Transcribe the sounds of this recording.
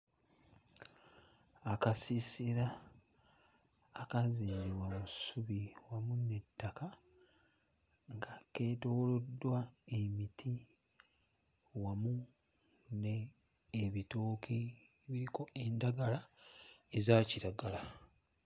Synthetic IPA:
akasisiɾa | kaziːɾiβwamusuβiwamune̞tːaka | ŋɡake̞ːto̞ːlo̞dːwaemitʰi | wamu | neː | βitoːkʰe | βiɾiko̞e̞ndaɡala | ezaːciɾaɡala

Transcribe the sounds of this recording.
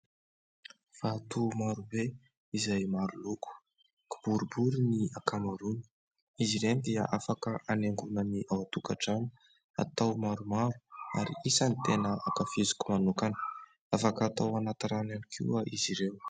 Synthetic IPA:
v̥at̪umaɾube | izajmaɾuluku̥ | kib̥uɾubuɾiniakamaɾuni̥ | iziɾend̪ia̰ʔafakəʔaneŋɡunəniʔawat̪ukaʈ͡ʂani̥ | a̰t̪awmaɾumaɾu̥a̰ɾiisanit̪enəʔakafizi̥kumanukanə̥ | afakːt̪awanat̪aɾananikʰḭaʔiziɾew

